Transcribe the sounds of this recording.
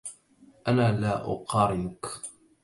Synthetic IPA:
ʔanaːlaːʔʊ̰qɑːɾɪnʊk

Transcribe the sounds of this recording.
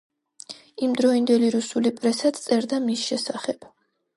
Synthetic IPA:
imd̪ɾɔind̪ɛliɾusulipʼɾɛsat̪t̪sʼɛɾd̪amisʃɛsaχɛb̥

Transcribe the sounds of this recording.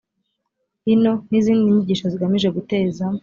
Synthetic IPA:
ino̞niziːndiɲiɟiːʃoziɡamiʒe̞ɡute̞ːza

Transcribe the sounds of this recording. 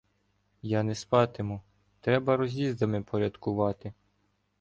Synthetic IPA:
jɑnɛspɑt̪ɪmʊ | t̪ɾɛbɐɾɔzʲizd̪ɐmɪpʰɔɾʲɐd̪kʊʋɑt̪ɪ

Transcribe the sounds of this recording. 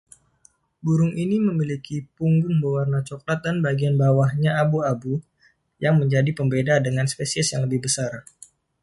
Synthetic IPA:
buɾʊŋʔiniməmilikipuŋɡʊŋbawarnat͡ʃɔk̚lat̪̚danbaɡianbawahɲaabuabu | jaŋməɲd͡ʒadipəmbedadəŋanspesiɛsjaŋləbɪhbəsar

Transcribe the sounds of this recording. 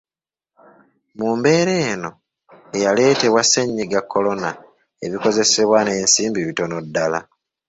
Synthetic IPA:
muːmbe̞ːɾe̞ːno̞ | ejale̞ːte̞βwaseɲːiɡakʰːo̞lo̞na | eβiko̞ze̞se̞βwane̞ːnsiːmbiβito̞no̞dːala̰

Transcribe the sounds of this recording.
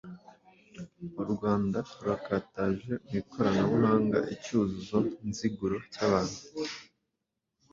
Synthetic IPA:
uɾɡwaːndauɾakaːtaʒe̞umikʰo̞ɾanamuɦaːŋɡa̰ʔicuzuzonziɡuɾocaβaːn̥hu

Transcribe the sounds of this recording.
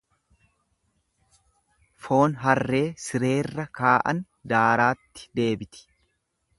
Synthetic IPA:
fo̞ːnɦɐrːe̞ːsɪɾe̞ːrːɐkaːʔɐ̰n | d̪aːɾaːt̪ːɪ̥d̪e̞ːbɪt̪ɪ̥

